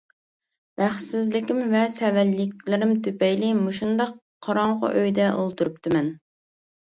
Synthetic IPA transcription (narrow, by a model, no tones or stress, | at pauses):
b̥æχsɪzlɪkʲɪmvɛsɛvɛlːɪkʲlɪɾɪmt̪ʰøpɛjlɪmoʃund̪ɑqʰːɑɾɑɴʁɑ̰ʔøjd̪ɛʔolˠt̪uɾupt̪ʰɨmɛn